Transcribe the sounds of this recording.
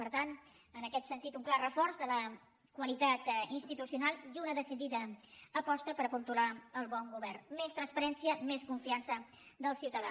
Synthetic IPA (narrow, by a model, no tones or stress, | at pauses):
pəɾt̪anənəkɛt̪sənt̪it̪uŋklarəfɔɾzðələ | kwəlit̪at̪inst̪it̪usiunalˠd̪unəðəsiðiðəːpɔst̪əpəɾəpunt̪ulaəlˠβɔŋɡuβɛrmest̪ɾənspəɾɛnsiəmeskuɱfiansə | d̪əlˠsiwt̪əða̰